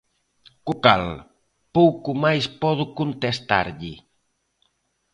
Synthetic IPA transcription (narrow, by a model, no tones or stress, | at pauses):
kukal | powkʊmajspɔðʊkunt̪est̪a̰ɾʎɪ